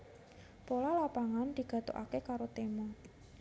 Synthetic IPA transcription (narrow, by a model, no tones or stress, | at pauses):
polalapaŋand̪̥i̤ɡ̥ä̤t̪o̰ʔa̰kekaɾot̪ema